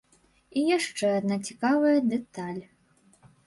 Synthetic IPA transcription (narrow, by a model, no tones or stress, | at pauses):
ijaʂt͡ʂɛad̪nat͡sʲikavɐjɐd̪ɛt̪alʲ